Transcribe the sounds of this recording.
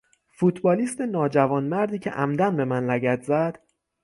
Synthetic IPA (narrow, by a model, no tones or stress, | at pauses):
fut̪ʰbɒːliːst̪enɒːd͡ʒævɒːnmæɾd̪iːcʰe̞̰ʔæmd̪ænbe̞mænlæɡæt̪ʰzæd̪̥